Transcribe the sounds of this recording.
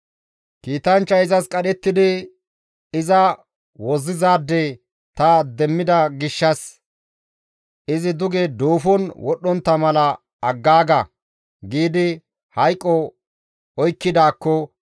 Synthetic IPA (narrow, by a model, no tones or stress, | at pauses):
kiːt̪ɐnt͡ʃːɐɪzɐskʼɐɗɛt̪ːɪd̪ɪ | ɪzɐ | wɔzːɪzaːd̪ːe | t̪ɐd̪ɛmːɪd̪ɐɡɪʃːɐs | ɪzɪd̪ʊɡɛd̪oːfɔnwʔɔɗːɔnt̪ːɐmɐlɐ | ɐɡːaːɡɐ | ɡiːd̪ɪ | hɐjkʼːɔ | ɔjkːɪd̪aːkːɔ